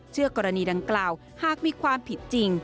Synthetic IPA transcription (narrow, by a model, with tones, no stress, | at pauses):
t͡ɕʰɯ˥˩ɐkɔː˧ɾa˧niː˧da˧ŋklaː˨˩w | haː˨˩k̚miː˧kʰwaː˧mpʰi˨˩t̪̚t͡ɕi˧ŋ